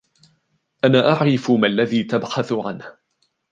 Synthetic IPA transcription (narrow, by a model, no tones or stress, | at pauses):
ʔanaːʔaʕɾɪfʊmalːaðiːt̪abħaθʊʕa̰nh